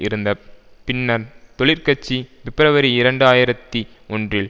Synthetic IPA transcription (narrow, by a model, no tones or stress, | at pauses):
ʔɪɾɯnd̪ɐ | pɪnːɐɾt̪ɔɭɪɾkɐt͡ʃːiʋɪpːɪɾɐʋɐɾiɪɾɐɳɖɯaːjɪɾɐt̪ːi | ɔndrɪl